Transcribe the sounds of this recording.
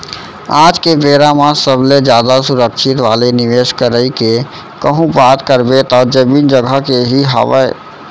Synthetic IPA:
ad͡ʒkebeɾamãsəbled͡ʒjad̪asuɾəkʃʰit̪ʋaːleniʋeskəɾəike | kəɦũbaːt̪kəɾbet̪ɔd͡ʒəmind͡ʒəɡʱəkeɦiɦa̰ʋə̰e

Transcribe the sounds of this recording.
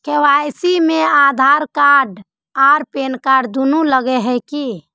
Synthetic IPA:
kewajsimead̪ʱaɾkaɖ | aɾpenkaɖd̪unuləɡɛɦɛjki

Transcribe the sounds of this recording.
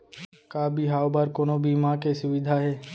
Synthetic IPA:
kabʱiɦaːwbaːɾkoːnobʱiːmãkesʊʋɪd̪ʱaɦɛː

